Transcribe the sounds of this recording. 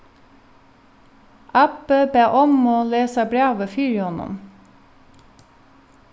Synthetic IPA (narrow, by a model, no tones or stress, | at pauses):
ʔɑpəbeːʔɔmoːleːsɑbɾɑːʋəfyːɹɪɔnʊ̰m